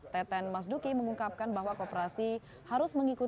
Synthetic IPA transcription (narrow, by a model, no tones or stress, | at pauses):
t̪ɛt̪ɛnmas̬dukiməŋuŋkap̚kanbaɦwakopəɾasi | haɾʊsməŋiku